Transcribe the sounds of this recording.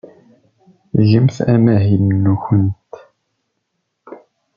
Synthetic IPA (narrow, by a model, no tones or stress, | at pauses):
ʒəmθæ̰mæɦimnːuçənt̪